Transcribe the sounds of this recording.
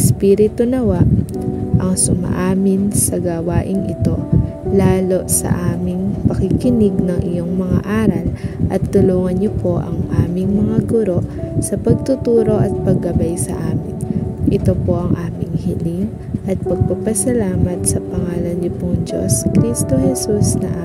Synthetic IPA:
spiːɾɪt̪onɐwaʔʔɐŋsʊmɐ̰ʔaːmɪnsɐɡɐwaːʔɪŋʔɪt̪o̞ | laːlo̞sɐ̰ʔaːmɪŋpɐkɪkɪnɪɡnɐŋʔɪjo̞ŋmɐŋa̰ʔaːɾɐlʔɐt̪ːʊluːŋɐnɲopo̞ʔɐ̰ŋʔaːmɪŋmɐŋaɡʊɾo̞ʔsɐpɐɡ̚t̪ʊt̪uːɾo̞ʔɐt̪̚pɐɡːɐbajsɐ̰ʔaːmɪnʔɪt̪o̞po̞ʔɐŋʔaːmɪŋhiliŋ | ʔɐt̪̚pɐɡ̚pɐpɐsɐlaːmɐt̪̚sɐpɐŋaːlɐnɲopʊŋd͡ʒo̞̰skɾist̪o̞hɛsusnɐ̰ʔaː

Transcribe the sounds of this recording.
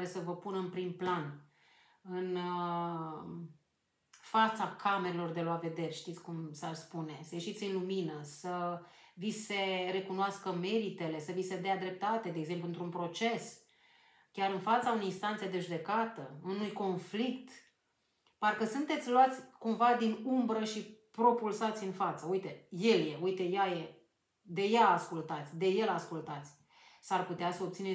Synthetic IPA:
ɾesəvəpunɨnpɾimplan | ɨn | fat̪sakʰame̞ɾelo̞rd̪e̞loave̞d̪e̞rʲʃt̪it̪sʲkumsarspune̞səje̞ʃit̪sʲɨnluminəsəvise̞re̞kunoaskəme̞ɾit̪e̞le̞səvise̞d̪ead̪ɾe̞p̚t̪at̪e̞d̪eeɡze̞mpluɨnt̪ɾunpɾo̞t͡ʃe̞s | kʲaɾɨnfat̪sauneinst̪ant̪sjed̪e̞ʒud̪e̞kat̪əunujko̞nflikt̪ | parkəsunt̪e̞t̪sʲloat̪sʲkumvad̪inumbɾəʃipɾo̞pulsat̪sʲɨnfat̪səujt̪e̞je̞lje̞ujt̪e̞jaje̞ | d̪e̞jaːskult̪at̪sʲd̪e̞je̞laskult̪at̪sʲ | sarput̪easəo̞b̚t̪sine

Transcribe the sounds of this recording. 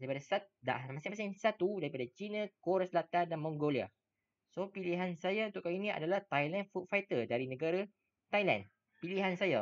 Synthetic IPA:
daɾipadasat̪̚da̰masɪ̃ŋpəsɪŋsat̪udaɾipadat͡ʃinãkoɾaslat̪andanmɔ̃ŋɡolia̰ | sopiliɦansajaunt̪ʊʔkawinĩa̰dalaht̪ajlanfut̚fajt̪ədaɾinə̃ɡaɾa | t̪ajlã̰n | piliɦansaja

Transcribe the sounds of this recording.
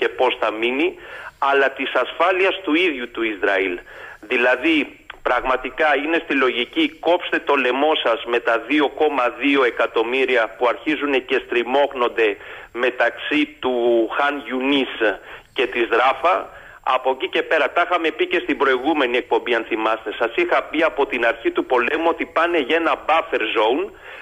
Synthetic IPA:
ce̞po̞sθɐminiɐlɐt̪isɐsfɐliɐst̪uiðʝut̪uizɾɐilðilɐði | pɾɐɣmɐt̪ikɐine̞st̪ilo̞ʝiciko̞pst̪e̞t̪o̞le̞mo̞sɐzme̞t̪ɐðio̞ko̞mɐðio̞e̞kɐt̪o̞miɾiɐpuɐɾçizune̞ce̞st̪ɾimo̞kno̞nd̪e̞ | me̞t̪ɐksit̪uxɐnʝunisce̞t̪izðɾɐfɐ | ɐ̰po̞cice̞pe̞ɾɐt̪ɐxɐme̞pice̞st̪ibɾo̞iɣume̞nie̞k̚po̞mbiɐnθimɐst̪e̞sɐsixɐpiɐpo̞t̪inɐɾçit̪upo̞le̞muo̞t̪ipɐne̞ʝe̞nɐbɐfe̞ɾzoun

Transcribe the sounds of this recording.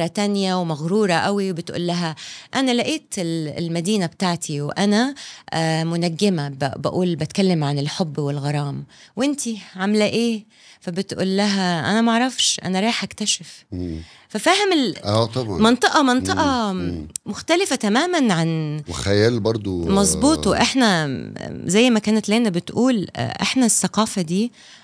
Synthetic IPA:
ɾˤɑt̪ænjawmæɣɾuːɾˤɑʔæwibɪt̪ʔṵːlːæɦæʔænælaʔeːt̪ɪllmæd̪iːnabt̪aʕt̪ʰiwʔænæ | mʊnæɡːɪmæbbæ̰ʔuːlbæt̪kælːɪmʕanɪlħobːwɪlɣɑɾˤɑːmwʔɪnt̪iʕamlæʔeː | fæbɪt̪ʔṵːlːæɦæʔænæmaʕɾˤɑfʃʔæ̰næɾˤɑːħʔækt̪æʃef | fæfæːhemelʔæt̪ˤɑbʕɑmɑnt̪ˤeʔɑmɑnt̪ˤɑʔɑ | moxt̪ælɪfæt̪æmæːmænʕanwexæjæːlbɑɾˤd̪ˤomɑzˤbuːt̪ˤʔeħnæ | zæjːmækæːnæt̪leːnæbet̪ʔuːl̰ʔḛħnæsːæqɑːfæd̪iː

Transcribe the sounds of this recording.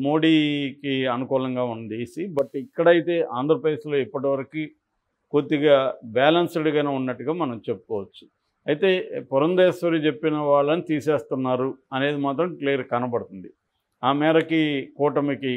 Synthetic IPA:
mo̞ːɽiːkiɐnukuːlɐŋɡaːund̪isibɐʈikːɐɽɐjit̪e̞ːʔaːnd̪ʱɾɐpɾɐd̪e̞ːslo̞ːipːɐʈiʋɐɾɐki | kot̪ːiɡaːbɛːlɐnsɐɽiɡɐneːunːɐʈːuɡaːmɐnɐmt͡ʃe̞pːu̥kɔːʋɐt͡ʃːu̥ | ɐjt̪e̞ːpɔɾɐnd̪eːsɐɾit͡ʃe̞pːinɐʋaːɭːɐnit̪iːse̞ːst̪unːaːɾuɐne̞ːd̪imaːt̪ɾɐmklijɐɾkɐnɐbɐɽut̪und̪i | aːmɛːɾɐkikɔːʈɐmiki

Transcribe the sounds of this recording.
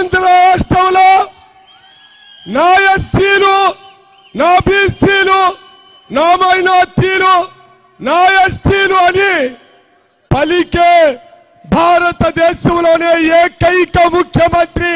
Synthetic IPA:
nd̪ɾɐɾaːʂʈɾɐmlo | naːjɐsiːlu | naːbiːsiːlu | naːmɐjnaːt̪ːiːlu | naːjɐsʈiːluɐni | pɐlikeː | bʱaːɾɐt̪ɐd̪ɛːʃɐmloːneːeːkɐjkɐmukʰjɐmɐnt̪ɾi

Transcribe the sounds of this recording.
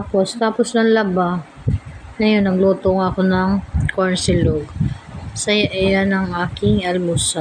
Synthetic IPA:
apost̪aːposnɐŋlɐba | ŋɐjonːɐɡluːt̪oŋɐkonɐŋkoɹnsɪloɡ | sɐjaʔɐjanɐŋʔaːkɪŋʔɐlmʊsa

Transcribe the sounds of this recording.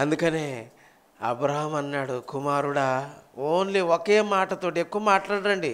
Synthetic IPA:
ɐnd̪ukɐne̞ː | ɐ̰bɾaːɦɐmɐnːaːɽukumaːɾuɽaːoːnliokeːmaːʈɐt̪oːʈiekːuʋɐmaːʈlaːɽɐɳɖi

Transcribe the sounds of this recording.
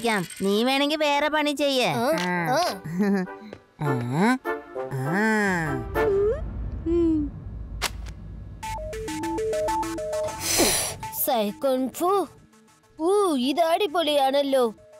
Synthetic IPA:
kʲːaːmniːʋeːɳeŋɡilʋeːrepɐɳit͡ɕːejːɐaːaaː | aː | a | sɐjkoɳfu | uiðaːɽip̬ːolijaːɳɐlːoː

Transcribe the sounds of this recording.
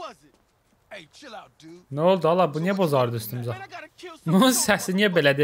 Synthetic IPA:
nolˠd̪uɑlˠɑbunijæbozɑɾɯd̪yst̪ymzɑbununsæsiniæbelæd̪i

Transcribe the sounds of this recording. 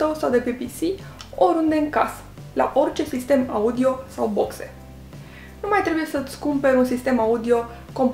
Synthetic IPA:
t̪o̞sawd̪e̞pipisi | o̞ɾund̪e̞ɨŋkas | la̰ʔo̞rt͡ʃe̞sist̪e̞maud̪io̞sawbo̞kse̞̰ | numajt̪ɾe̞buje̞sət̪ʲskumpeɾunsist̪e̞maud̪io̞ | ko̞mp

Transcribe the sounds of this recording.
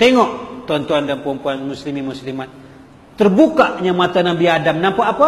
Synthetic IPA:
t̪eŋɔʔt̪uant̪uandampəɔmpuanmuslimimuslimat̪̚ː | ərbukaʔɲamat̪anabiadamnampaʔːpa

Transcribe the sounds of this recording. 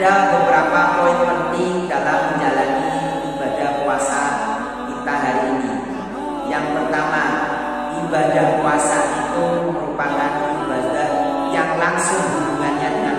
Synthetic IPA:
abəbəɾapapɔɪk̚pənt̪ɪŋdalamːəɲd͡ʒalani | ibadahkuasa | kit̪aɦaɾiːni | jaŋpərt̪ama | ʔibadahkuasaʔit̪uməɾupakanibadah | jaŋlaŋsʊŋhdubuŋanɲadəŋa

